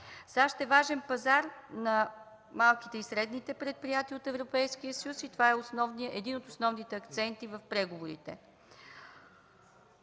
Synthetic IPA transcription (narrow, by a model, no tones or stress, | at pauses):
saʃt̪ɛvaʒɛnpɐzaɾnɐ | malˠki̥t̪ɛisɾɛd̪nit̪ɛpɾɛt̪̚pɾijat̪iəot̪ɛvɾopɛjskijəsəjusit̪ovaɛosnɔvnijəʔɛd̪inot̪osnɔvnit̪ɛɐkt̪sɛnt̪ivəfpɾɛɡovoɾḭt̪ɛ̰